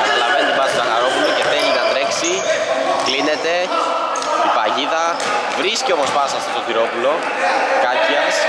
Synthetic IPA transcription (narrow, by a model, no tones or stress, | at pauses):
ɐnɐlɐvent̪ivɐst̪ozɐxɐɾo̞puloce̞θelinɐt̪ɾe̞ksi | kline̞t̪e̞ | ipɐʝiðɐ | vɾiscio̞po̞spɐsɐft̪ost̪okiɾo̞pulo̞ | kɐpɐs